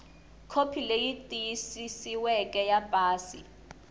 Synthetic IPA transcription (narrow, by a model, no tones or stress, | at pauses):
kʰopʰilejitʼijisisiwɛkʼɛjapʼaːsḭ